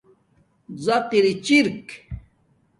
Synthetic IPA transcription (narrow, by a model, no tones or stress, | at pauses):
zat̪iɾit͡ɕiɾk